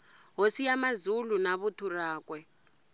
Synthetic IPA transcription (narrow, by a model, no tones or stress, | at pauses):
ɦosijamazulunaβutʰuraːkʼwɛ